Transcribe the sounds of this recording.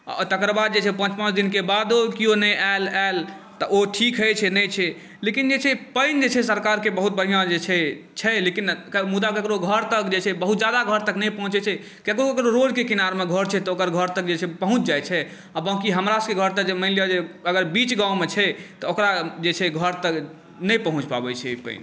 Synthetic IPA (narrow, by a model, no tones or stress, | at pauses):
t̪əkɾəbad̪̚d͡ʒet͡ʃʰɛpə̃nt͡ʃpə̃nt͡ʃd̪inkebad̪okionɛjʔalael | t̪əoʈʰikɦɛt͡ʃʰɛnɛjt͡ʃʰɛ | lekind͡ʒet͡ʃʰɛpəjnd͡ʒet͡ʃʰɛsəɾkaɾkebəɦut̪̚bəɦijãd͡ʒet͡ʃʰɛ | t͡ʃʰɛlekinkmud̪akekɾoɡʱəɾt̪əkd͡ʒet͡ʃʰɛbəɦut̪d͡ʒjad̪aɡʱəɾt̪əknɛjpəɦũt͡ʃɛt͡ʃʰɛ | kekokekɾoɾod͡ʒkekinaɾmeɡʱəɾt͡ʃʰɛt̪ɔokəɾɡʱəɾt̪ək̚d͡ʒet͡ʃʰɛpəɦũt͡ʃd͡ʒajt͡ʃʰɛ | abãkiɦəmɾasəkeɡʱəɾt̪ək̚d͡ʒeməɪlijad͡ʒeəɡəɾbit͡ʃɡãwmet͡ʃʰɛt̪ɔokɾad͡ʒet͡ʃʰɛɡʱəɾt̪ək | nɛjpəɦũt͡ʃba̰bɛt͡ʃʰɛipə̰ɪn